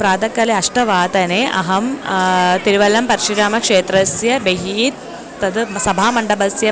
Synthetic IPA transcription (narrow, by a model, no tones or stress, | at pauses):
pɾaːd̪ɐkːɐleɐʂʈɐʋaːt̪ɐneːʔɐ̰ɦɐm | t̪iɾiʋɐlɐmpɐɾiʂiɾaːmɐkʂeːt̪ɾɐsjɐbeɦiːt̪ | t̪ːɐd̪sɐbʱaːmɐɳɖɐbɐsjɐ